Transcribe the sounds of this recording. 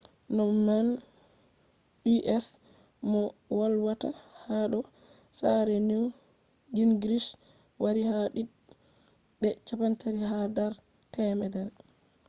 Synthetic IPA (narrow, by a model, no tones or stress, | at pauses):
nɔman | iʔɛs | mɔwalwatahaɗɔ | saɾɛniw | ɡinɡɾiʃ | waɾihaɗi | ɗɛt͡ʃapantaɾihadaɾ | tɛmɛdɛɾ